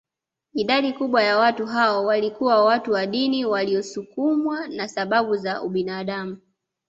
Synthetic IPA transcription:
iɗaɗikuɓwajawatuɦaɔwalikuwawatuwaɗiniwaliɔsukumwanasaɓaɓuzaṵɓinaːɗamu

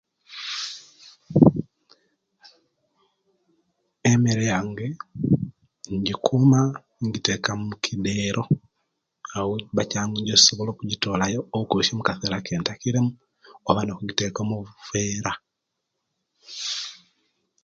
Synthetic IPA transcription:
emeɾejaːŋɡe | ɲɟikʰuma | ɲɟitekamukʰideɾʔo̞ | awoβacaːŋɡeɲɟoi̥soβoloːkuɟitoːlajoːukoʃemukaθelakeːntakiɾemu | oβanokuɡitekomuβfeːɾa

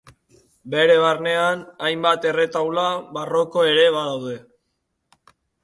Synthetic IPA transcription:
be̞ɾe̞β̞arne̞anajmbat̪e̞re̞t̪awlaβaro̞ko̞e̞ɾe̞βaðawðe̞

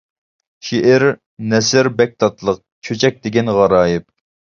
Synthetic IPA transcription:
ʃiʔɪɾ | nɛsɪɾbɛk̚ʲt̪ʰɑt̪ʰlˠəq̚t͡ʃʰøt͡ʃʰɛk̚ʲd̪ɪɡʲɛnʁɑɾɑːjɪp̚

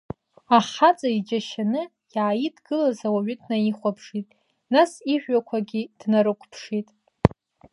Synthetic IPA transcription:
aχat͡sʼaid͡ʒʼaʃanɨ | jaajidɡɨlazawaɥʊdnaiχʷapʰʂitʼ | nasiħᶣʷakʷʰaɡʲid̥naɾɨkʷʰpʰʂitʼ

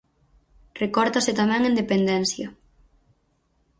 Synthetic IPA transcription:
rekɔɾt̪aset̪amɛŋẽnd̪epend̪ɛnθjɐ

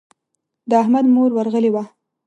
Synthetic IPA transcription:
d̪əaɦmad̪moɾwaɾɣəlewa

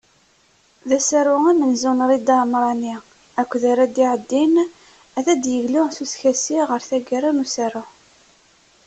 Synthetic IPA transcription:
ðæsæɾʊæmənzunɾˤid̪ɑmɾˤɑni | ækʷːðaɾæd̪iʕəd̪ːin | æðæd̪jəʝlʊʁθusçæsiʁəɾθæɡæɾænusæɾʊ

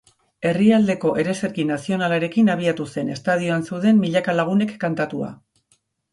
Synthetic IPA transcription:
e̞riald̪e̞ko̞ʔe̞ɾe̞se̞ɾkinasio̞nalaɾe̞kinaβ̞iat̪use̞ne̞st̪að̞io̞ansewðe̞mːiʎakalaɣ̞une̞kːant̪at̪ua̰

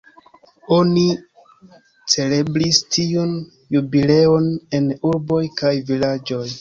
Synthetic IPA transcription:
o̞ni | t͡se̞le̞bɾistʰiun | jubile̞o̞ne̞nuɾbo̞jkajvilad͡ʒo̞j

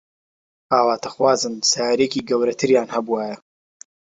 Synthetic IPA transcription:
aːwaːt̪ʰɐxwaːzɨmsajaɾekiːɡɐwɾɐt̪ʰɨɾjaːnhɐbuwaːjɐ

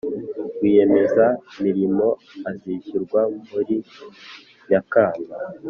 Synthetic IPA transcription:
ɡwije̞me̞zamiɾimo̞ | aziʃuɾɡwamuɾi | ɲakaːmba

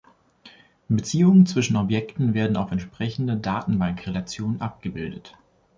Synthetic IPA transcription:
bət͡siːʊŋənt͡sv̥ɪʃn̩ɔpjɛktn̩veːɐdn̩aʊfɛntʃpʁ̥ɛçn̩dədaːtn̩baŋkʁelat͡sjoːnənʔap̚ɡ̥əbɪldət

